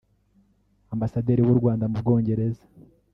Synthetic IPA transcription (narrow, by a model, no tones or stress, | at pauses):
ambasadeːɾiwuɾɡwaːndamub̚ɡo̞ːɲɟe̞ɾe̞zḁ